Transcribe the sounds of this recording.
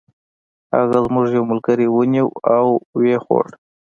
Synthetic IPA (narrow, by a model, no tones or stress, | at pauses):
ha̰ɣazmʊʐjawmʊlkaɾiwəniwawwexo̰ɽ